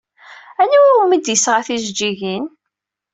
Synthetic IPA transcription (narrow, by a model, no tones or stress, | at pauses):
æniwmid̪jəsʁaθiʒd͡ʒːiʝin